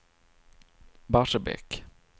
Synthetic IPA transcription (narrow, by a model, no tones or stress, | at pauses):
baʂabɛ̰k